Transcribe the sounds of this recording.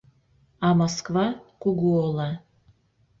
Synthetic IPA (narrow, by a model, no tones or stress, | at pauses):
ɑmoskvɑkuɣuolˠɑ